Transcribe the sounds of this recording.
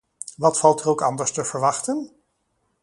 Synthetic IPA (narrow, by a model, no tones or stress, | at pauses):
ʋɑtfɑlˠtɛrowkɑndəɹstəv̥əɹʋɑχtən